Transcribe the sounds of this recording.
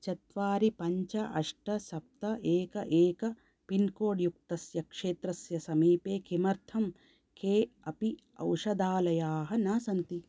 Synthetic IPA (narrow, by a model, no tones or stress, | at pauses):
t͡ʃɐt̪ʋaːɾipɐɲt͡ʃɐʔɐʂʈɐsɐp̚t̪ɐʔeːkɐʔeːkɐ | pinkoːɖjuk̚t̪ɐsjɐkʂeːt̪ɾɐsjɐsɐmiːpeːkʰimɐɾt̪ʰɐm | kʰeːɐpi | ɐ̰wʂɐd̪aːlɐjaːɦɐnaːsɐnt̪i